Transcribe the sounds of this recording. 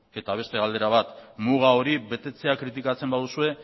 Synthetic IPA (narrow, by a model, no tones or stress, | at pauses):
e̞t̪aβ̞e̞st̪e̞ald̪e̞ɾaβ̞at̪muɣ̞ao̞ɾiβe̞t̪e̞t͡se̞akɾit̪̬ikat͡se̞mbaðusue̞